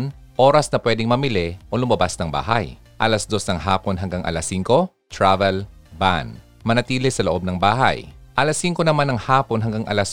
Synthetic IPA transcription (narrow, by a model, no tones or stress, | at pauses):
nʔoːɾɐsnɐpwɛːd̪ɪŋmɐmɪlɪʔolʊmɐbasnɐŋba̰ːɦɐ̰j | ʔɐlɐsd̪o̞snɐŋɦaːponɦɐŋɡaŋʔɐ̰lɐsːiŋko̞ | t̪ɹavɛl | ba̰n | mɐnɐt̪iːlɪsɐloʔo̞b̚nɐŋbaːɦɐ̰jʔɐlɐsːiŋkonɐmanɐŋhaːponɦɐŋɡaŋʔɐ̰lɐs